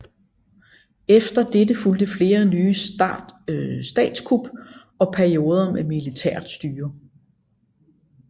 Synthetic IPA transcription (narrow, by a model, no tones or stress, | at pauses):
efd̥ɐd̥edəfuld̥əfle̝ːɐnyː | sd̥ɛ̰ːd̥skʰub̥ | ɒ̽pʰæɐio̝ːð̞ˠɐmemilit͡sʰeɐ̰d̥sd̥yːɐ